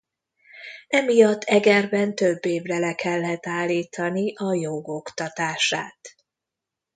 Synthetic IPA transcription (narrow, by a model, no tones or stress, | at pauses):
ɛmijɒt̪ːɛɡɛrbɛnt̪øbːeːvrɛlɛkʰɛlːɛt̪aːlːiːt̪ʰɒniʔɒjoɡo̞kt̪ɒt̪aːʃaːt̪